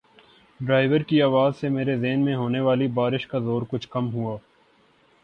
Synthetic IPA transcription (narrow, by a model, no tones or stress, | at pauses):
ɖɾaːɪʋəɾkiaːʋaːzsemeːɾezeːnmẽɦoːneʋaːlibaːɾɪʃkazoːɾkʊt͡ʃʰkɐmɦuaː